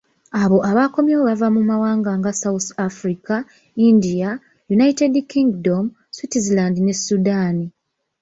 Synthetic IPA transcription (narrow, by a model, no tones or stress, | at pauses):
aβo̞ʔaβako̞mjooβavamumawaːŋɡaːŋɡasawuθafɾika | indija | junaite̞dkiŋɡdom | switizilandinesudaːni